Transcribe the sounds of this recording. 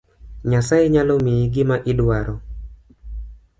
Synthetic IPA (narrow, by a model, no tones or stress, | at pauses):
ɲasaeɲalɔmeiɡɪmaʔɪdwaɾɔ